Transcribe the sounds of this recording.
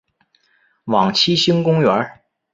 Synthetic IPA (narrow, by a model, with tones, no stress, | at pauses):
wɑ˨˩ŋt͡ɕʰi˥ɕi˥ŋkʊ˥ŋɥɛ˧˥